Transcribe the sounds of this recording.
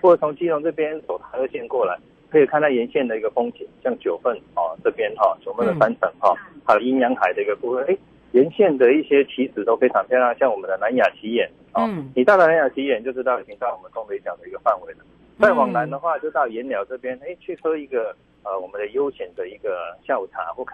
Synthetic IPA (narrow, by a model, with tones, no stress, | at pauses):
xwɔ˥˩˨t͡sʰʊ˧˥ŋt͡ɕi˥lʊ˧˥ŋt͡sɤ˥˩pjɛ˥nt͡so˨˩ʊt̪ʰa˧˥d̪ə˧ɕjɛ˥˧nkwɔ˥˩la˨˦ɪ | kʰɤ˧˥i˨kʰa˥˧na˥˩jɛ˧˥nɕjɛ˥˩nd̪ə˩i˧˥ɡə˧fʊ˥ŋt͡ɕʰi˨˩ŋɕjɑ˥˩ŋt͡ɕjo˨˩ʊfə˥˩nɔ˥˨˩ʈ͡ʂɤ˥˩pjɛ˥nxɔ˥˩t͡ɕjo˨˩ʊfə˥˩nd̪ə˨˩sa˥nt͡sʰə˨˩˦ŋxɔ˥˩t̪ʰa˥˧˩i˥njɑ˧˥ŋxa˨˩ɪd̪ə˩˦i˧˥ɡə˧ku˥˧wə˥˩ne˥˩ɪ | jɛ˧˥nɕjɛ˥˩nd̪ə˨i˥˩ɕjɛ˥t͡ɕʰi˧˥sɹ̩˨˩t̪o˥ʊfe˥˩ʈ͡ʂʰɑ˧˥ŋpʰjɛ˥˧˥a˥˩ŋɕjɑ˥˩ŋwɔ˨˩mə˦nd̪ə˧na˧˦nja˨˩t͡ɕʰi˧˥jɛ˨˥˦n | ɔ˥˩ni˨˩t̪ɑ˥˩d̪ə˨na˧˥nja˨˩t͡ɕʰi˧˥jɛ˧nt͡ɕjo˥˧ʊʈ͡ʂʂɻ̩˥t̪ɑ˥˩i˨˩t͡ɕʰi˧˥ŋt͡sa˥˩ɪwɔ˨˩mə˦nkŋwe˧˥ɪt͡ɕjɑ˨˩ʊd̪ə˦i˧˥ɡə˧fa˥˩nwe˧˥ɪlə˧ | t͡sa˥˩ɪwɑ˨˩ŋna˧˥nd̪ə˧xwa˥˧t͡ɕjo˥˧ʊt̪ɑ˥˩ʊjɛ˨˧˥nljɑ˧˥ʊʈ͡ʂɤ˥˩pjɛ˥ne˥˩ɪt͡ɕʰy˥˩xɤ˥i˧˥ɡə˨ | ə˧wɔ˨˩mə˦nd̪ə˧jo˥ʊɕjɛ˧˨˥nd̪ə˧i˧˥ɡə˧ɕja˥˩ʊu˨˩ʈ͡ʂʰa̰˧˥˦xwɔ˥˩kʰ